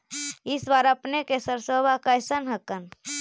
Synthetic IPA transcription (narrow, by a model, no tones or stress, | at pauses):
ɪsbaɾəpnekesəɾsobʱakəjsənɦəkən